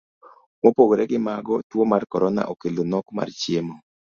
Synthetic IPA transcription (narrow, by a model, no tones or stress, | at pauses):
mopoɡoɾɛɡɪmaɡɔtwomarkɔɾɔna̰ʔokelonɔkma̰rt͡ʃemɔ